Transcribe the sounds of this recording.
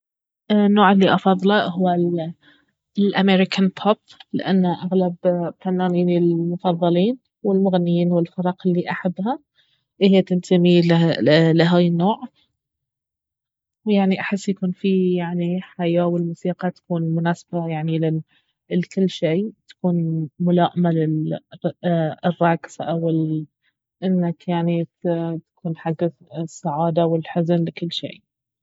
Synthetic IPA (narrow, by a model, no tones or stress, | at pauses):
nːoːʕɪlːiʔɑfɑðˤːlɑhʊwːa | lʔameɾɪkʰanpʰop̚lɪ̰ʔanːaʔaɣlabfanːaːniːnilmʊfɑðˤːɑliːn | wɪlmʊɣanːɪjiːnwɪlfɑɾˤɑːqɪlːiʔaħabːha | ʔɪhjat̪ɪnt̪ʰamillɪɦaːjɪnːoːʕ | wjaʕniʔaħɪsːjakuːnfijaʕniħajaːwɪlmuːsiːqɑt̪ḁkuːnmʊnaːsbajaʕnilɪ | lkɪlːʃeːt̪ḁkuːnmʊlaːʔɪmalɪl | ɪrˤːɑːksʔawɪl | ʔɪnːakjaʕnit̪ḁkuːnħaɡːaθsːaʕaːd̪awɪlħʊznlɪkɪlːʃḛː